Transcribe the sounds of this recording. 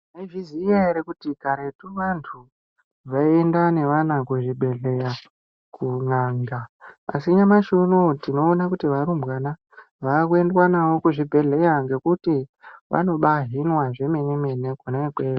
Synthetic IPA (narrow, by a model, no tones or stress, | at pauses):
neivizijeɾekutikaɾe̞tuʋantʰu | ʋaiendane̞ʋanakuʐibʱe̞ɮe̞ja | kʰunaːŋɡaa̰siɲamaʃunotino̞ːnakutiʋaɾumbwana | ʋakue̞ndwanawo̞kuʐibʱe̞ɮe̞jaŋɡe̞kutiʋʔa̰no̞ɓaɦinwaʐe̞menemenekunekweːa